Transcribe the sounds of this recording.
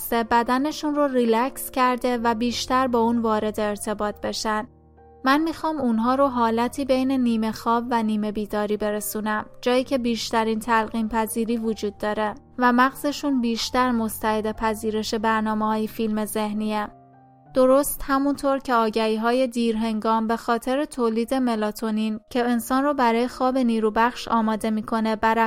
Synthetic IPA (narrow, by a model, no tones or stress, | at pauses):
st̪ebæd̪æne̞ʃunrorilæcscʰæɾd̪e̞væbiːʃt̪æɾbɒːuːnvɒːɾe̞d̪eːɾt̪ʰe̞bɒːt̪̚ʰbe̞ʃænd̪ | mænmiːxɒːmunɦɒːɾoɦɒːlæt̪ʰiːbe̞jne̞niːme̞xɒːbvæniːme̞biːd̪ɒːɾiːbe̞ɾesunæmd͡ʒɒːjiːcʰe̞biːʃt̪æɾiːnt̪ʰælɣiːmpʰæziːɾiːvod͡ʒuːd̪ːɒːɾe̞væmæɣze̞ʃunbiːʃt̪æɾmost̪ʰæed̪epʰæziːɾe̞ʃe̞bæɾnɒːmehɒːjefilme̞ze̞hniːæm | d̪̥o̞ɾo̞st̪hæmunt̪ʰoɾcʰe̞ɒːɟæhiːɦɒːje̞d̪iːɾɦe̞ŋɡɒːmbe̞xɒːt̪ʰe̞ɾet̪ʰoːliːd̪e̞me̞lɒt̪ʰonincʰe̞ːnsɒːnrobæɾɒːjexɒːbe̞niːɾuːbæxʃɒ̰ːmɒːd̪e̞miːkʰo̞ne̞bæɾ